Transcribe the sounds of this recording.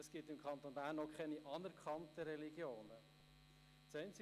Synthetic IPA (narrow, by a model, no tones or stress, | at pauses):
əsɡ̥ɪtɪmkʰχɑnt̪onbæːɾnːɔkʰχɛniʔɑnɛɾkχɑntəɾɛliɡ̥joːnə | t͡sɛɪnt͡sɪ